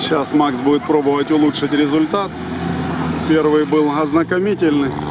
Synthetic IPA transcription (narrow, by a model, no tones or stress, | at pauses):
ɕasmaksbudʲɪt̪̚pɾo̞bəvətʲʊlˠuʂɨtʲɾʲɪzʊlʲt̪at̪ | pʲervɨjbɨlˠɐznɐkɐmʲitʲɪlʲnɨ